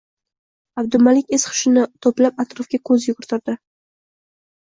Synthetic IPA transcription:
ab̚d̪ʊlmalɪkʲesχʰʊ̥ʃɪnɪt̪ʰɒplapat̪ɾɒfɡʲakʰɵzjʊɡʊɾɪt̪ʰɪɾd̪ɪ

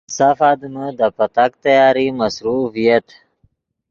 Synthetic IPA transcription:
safad̪məd̪əpat̪ak̚t̪ajɑːɾimasɾufijat̪

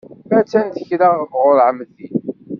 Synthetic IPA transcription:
æt͡sːænt̪əçɾaʁvʁʊɾʕəmðin

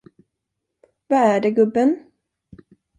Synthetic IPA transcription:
vaæɖɛɡɵbːən

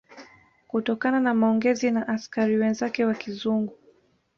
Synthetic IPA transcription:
kutɔkananamaɔŋɡɛzinaʔaskaɾiwɛnzakɛwakizuŋɡu

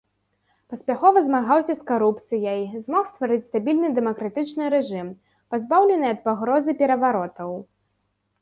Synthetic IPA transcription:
pɐsʲpʲaxɔvɐzmaɣawsʲɐskaɾupt̪sɨjɐjzmɔxst̪vaɾɨt͡sʲst̪abʲilʲnɨd̪ɛmɐkɾat̪ɨt͡ʂnɨɾɛʐɨm | pazbawlʲɛnɨjɐt̪̚paɣɾɔzɨpʲɛɾɐvaɾɔt̪ɐw

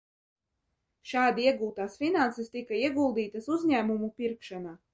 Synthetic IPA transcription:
ʃaːd̪iiɛɡuːt̪aːsfinansɛst̪ikaiɛɡulˠd̪iːt̪asuzʲɲæːmumupiɾkʃanaː

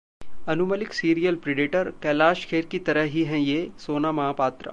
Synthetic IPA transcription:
ɐnuməlɪksiːɾijəlpɾeɖɪʈəɾkɛːlaːʃkʰeːɾkit̪ɐɾəɦɦiɦɛ̃jeːsoːnamɐɦaːpaːt̪ɾa̰

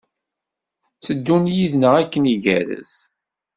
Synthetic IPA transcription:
t͡sːəd̪ːunjiðnəʁækːəniʝæɾə̰z

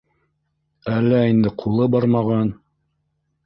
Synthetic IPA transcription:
ælːæind̪ɘqʰulˠɤbɑɾmɑʁɑn

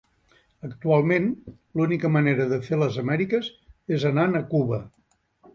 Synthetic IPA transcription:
əkt̪ualˠmen | lunikəməneɾəðəfeləzəmɛɾikəzezənanəkuβə

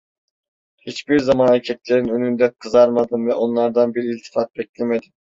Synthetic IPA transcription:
hit͡ʃbiɾzamaːnacʰɛt̪ʲlʲeɾinønynd̪ɛnkʰɯzaɾmad̪ɯnvɛʔo̞nlˠɑɾd̪anbiɾiilʲt̪ʰi̥fɑt̪̚bɛclʲemed̪im

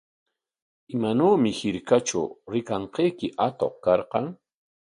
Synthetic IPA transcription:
ɪmanoːmɪhɪɾkat͡ʃʊ̰ɾɪkɑɴqejkɪʔat̪o̰χkɑɾqɑŋ

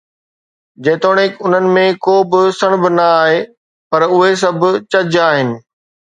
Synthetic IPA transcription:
d͡ʑẽːt̪oːɽ̃ekʊn̤ənɪ̆mẽkoːbɪsəɽ̃bɪnɐaːɦe | pɐɾʊɦes̬ɐbʱʊ̆t͡ɕɐd͡ʑaːɦɪnɪ̆

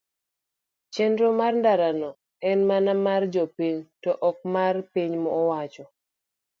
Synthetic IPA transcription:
t͡ʃendɾomarndaɾanɔ | ɛnmanamard͡ʒɔpiɲtɔʔɔk̚marpiɲmɔːwat͡ʃɔ

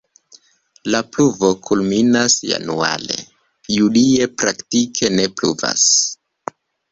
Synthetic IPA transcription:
lapluvo̞kʰulminasja̰nua̰le̞̰ | julie̞pɾaktikʰe̞ne̞plṵva̰s

